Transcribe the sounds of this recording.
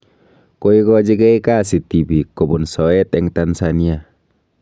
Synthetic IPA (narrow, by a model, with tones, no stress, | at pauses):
ko˦i˦kɔd͡ʒi˦ɡɛ˦ika˦si˨ti˨bi˨ko˨bo˨nsɔ˨ɛ˦tɛ˦ŋtansani˦a